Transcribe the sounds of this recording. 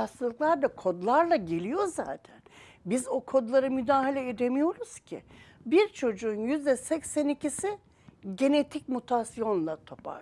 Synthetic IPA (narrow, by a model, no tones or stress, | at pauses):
ast̪ɯlˠɯklˠaɾd̪akʰo̞d̪lˠaɾlˠaɟe̞lʲijo̞za̰ːt̪ʰæn | bizo̞kʰo̞d̪lˠaɾɯmyd̪aːɦalʲɛed̪emijo̞ɾuz̥cʰḭbiɾt͡ʃʰo̞d͡ʒuːnjyzd̪ɛsɛcsɛnicʰisɪ | ɟe̞ne̞t̪ʰic̚mut̪ʰasijo̞nlˠat̪ʰo̞pʰa̰